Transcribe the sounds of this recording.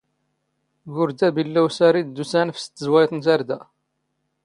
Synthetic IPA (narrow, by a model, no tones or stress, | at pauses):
ɡʊɾd̪æbilːæwsæɾid̪d̪ːusænfst̪ːəzwæjt̪ˤnt̪æɾd̪æ